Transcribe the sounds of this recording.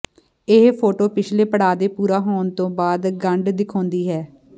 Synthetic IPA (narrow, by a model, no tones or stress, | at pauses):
ɪɦpʰoːʈoːpɪt͡ʃʰleːpəɽaːd̪eːpuːɾaːɦoːnt̪õːbaːd̪ɡəɳɖd̪ɪkʰɔ̃ːnd̪iːɦɛː